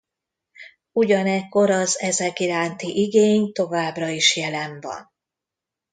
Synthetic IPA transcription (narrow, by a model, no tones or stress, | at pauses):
uɟɒnɛkːo̞ɾɒzɛzɛkiɾaːnt̪iʔiɡeːɲt̪o̞vaːbrɒiʃjɛlɛɱvɒ̰n